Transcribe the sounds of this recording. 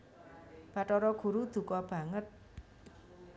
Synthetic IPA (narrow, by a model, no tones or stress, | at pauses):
b̥aʈɔɾɔɡ̥ṳɾud̪̥ṳkɔb̥ä̤ŋət̪̚